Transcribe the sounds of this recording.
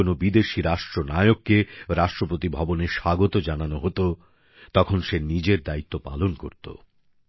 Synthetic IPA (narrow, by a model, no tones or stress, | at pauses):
onobid̪eʃiɾaʃʈɾonajokːeɾaʃʈɾopot̪ibʱɔboneɾʃaɡot̪od͡ʑananoɦot̪o | t̪ɔkʰonʃenid͡ʑeɾd̪ait̪ːopa̰lonko̰ɾt̪o̰